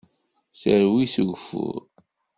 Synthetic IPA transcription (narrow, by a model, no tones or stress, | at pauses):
səɾwisʝfʊ̰ɾ